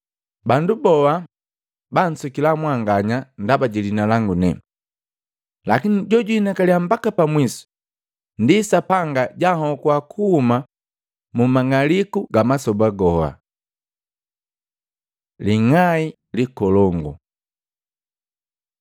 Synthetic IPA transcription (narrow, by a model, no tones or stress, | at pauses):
bandubɔwa | ban̩sukilamwaŋɡaɲandabaɟilinalaŋɡunɛ | lakiniɟɔɟuinakaliam̩bakapamwisu̥ | ndisapaŋɡaɟahɔkwakʰuhuma | mumaŋalikuɡamasɔbaɡɔa̰ | liŋai | likɔlɔŋɡɔ̰